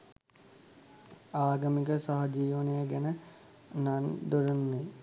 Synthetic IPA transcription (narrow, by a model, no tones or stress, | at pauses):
aːɡəmik̬əsaɦɐd͡ʒiːʋənəjəɡɛnə | nand̪uɾunːe